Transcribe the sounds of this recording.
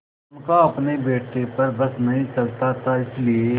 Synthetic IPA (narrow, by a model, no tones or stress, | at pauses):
ʊnkaɐpnebeːʈepɐɾbɐsnɐɦĩt͡ʃɐlt̪at̪ʰaɪslie